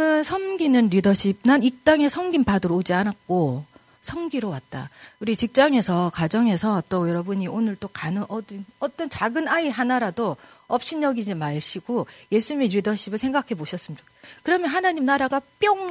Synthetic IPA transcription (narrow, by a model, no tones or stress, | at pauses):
ɯnsʰʌnɡinɯnɾidʌɕʰib̚nanik̚t͈aŋe̞sʰʌŋɡimpadɯɾod͡ʑianat̚k͈o | sʰʌŋɡiɾowat̚t͈a̰uɾit͡ɕik̚t͡ɕ͈aŋe̞sʰʌkad͡ʑʌŋe̞sʰʌt͈ojʌɾʌbuɲiʔonɯɭt͈okanɯnʔʌdnʌt͈ʌnt͡ɕaɡɯnaiɦanaɾado | ʌp̚ɕ͈ʰinjʌɡid͡ʑimaɭɕʰiɡoje̞sʰuɲimeɾidʌɕʰibɯɭsʰe̞ŋɡakʰe̞boɕʰʌs͈ɯmɲiakɯɾʌmjʌnɦanaɲimnaɾaɡap͈jʌŋ